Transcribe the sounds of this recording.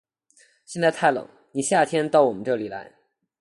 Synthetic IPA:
ɕjɛ˥˧nt͡sa˧ɪt̪ʰa˥˩ɪlɤ̰˨˩˦ŋni˨˩ɕja˥˩t̪ʰjɛ˥nt̪ɑ˥˩ʊwɔ˨˩mə˦nʈ͡ʂɤ˥˩li˨˩la̰˧˥ɪ

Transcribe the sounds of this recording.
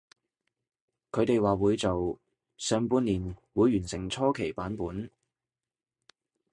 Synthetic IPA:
kʰɵ˨˧t̪e˨jwaː˨˩wuː˨˧jt͡so˨w | sœː˧ŋpuː˧nliː˨˩nwuː˨˧jɥyː˨˩nsɪ˨˩ŋt͡sʰɔː˥kʰe˨˩jpaː˨˥npuː˨˥n

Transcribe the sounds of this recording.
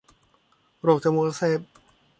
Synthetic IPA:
ɾoː˨˩k̚t͡ɕa˧mu˧a˧seː˦˥˩p̚

